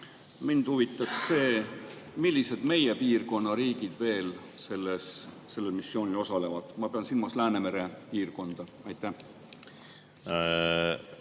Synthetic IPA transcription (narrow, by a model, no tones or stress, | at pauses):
mind̪̥huvit̪ːˑɑksse̞ːmilʲːise̞d̪̥me̞jepiːrko̞nːɑɾiːɡ̥id̪̥ve̞ːl | se̞lːesː | e̞lːe̞lmisːjo̞ːnʲilo̞sɑle̞vɑd̪̥mɑpeɑnsilmɑslæːneme̞ɾepiːrko̞nd̪̥ɑ | ɑjt̪ˑːæh